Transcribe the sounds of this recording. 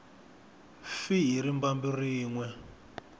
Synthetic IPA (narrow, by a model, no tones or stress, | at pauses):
fiɦiɾimbambiriːŋwɛ